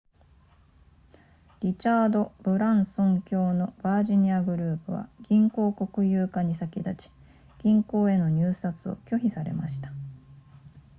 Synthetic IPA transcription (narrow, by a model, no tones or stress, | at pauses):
ɾʲit͡ɕaːd̪o̞b̥ɯ̟ɾãɰ̃sõ̞ŋkʲo̞ːno̞b̥aːʑiɲ̟iaɡɯ̟ɾɯ̟ːpɯ̟βa̰ɡ̥ʲĩŋko̞ːko̞kɯ̟jɯ̟ːkaɲ̟isakʲid̪at͡ɕi̥ | ɡ̥ʲĩŋko̞ːe̞no̞ɲ̟ʲɨːsat͡sɨo̞̰kʲo̞çisaɾe̞̰maɕi̥t̪ḁ